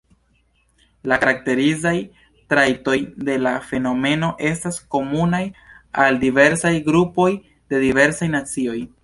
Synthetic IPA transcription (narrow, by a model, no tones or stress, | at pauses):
lakaɾak̚te̞ɾizaj | tɾajto̞jde̞lafe̞no̞me̞no̞ʔe̞stasko̞munaj | aldive̞ɾsajɡɾupo̞j | de̞dive̞ɾsajnat͡sio̞j